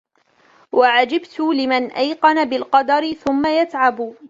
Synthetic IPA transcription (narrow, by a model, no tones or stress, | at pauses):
wʔaʕad͡ʒɪbt̪ʊlɪmanʔajqɑnabɪlqɑd̪ɑɾɪθʊmːajat̪ʕab